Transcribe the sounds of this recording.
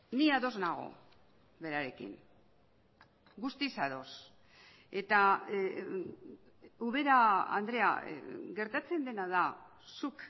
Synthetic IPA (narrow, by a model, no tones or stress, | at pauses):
niaðo̞znaɣ̞o̞̰ | βe̞ɾaɾe̞kḭn | ɡust̪isaðo̞s | e̞t̪a | uβe̞ɾaa̰nd̪ɾe̞a̰ɡe̞ɾt̪at͡se̞nd̪e̞nað̞a | suk